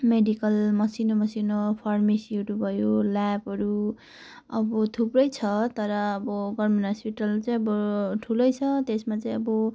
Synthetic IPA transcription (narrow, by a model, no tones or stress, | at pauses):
meɖikʌlmʌsinomʌsinopʰarmesiuɾubʱʌjolapɦʌɾu | ʌbʌt̪ʰuprʌjt͡sʰʌt̪ʌɾʌːbʌɡʌrminɦʌspiʈʌlt͡saĩʌbʌʈʰulʌjt͡sʰʌt̪esmat͡saĩʌbʌ